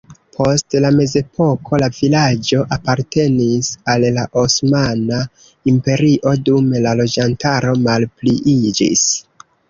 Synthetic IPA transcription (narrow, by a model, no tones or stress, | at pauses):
pʰo̞stlame̞ze̞pʰo̞kʰo̞lavilad͡ʒo̞ʔapaɾte̞nisalːaʔosmana | impe̞ɾiʔo̞dumlalo̞d͡ʒantaɾo̞malpliʔid͡ʒḭs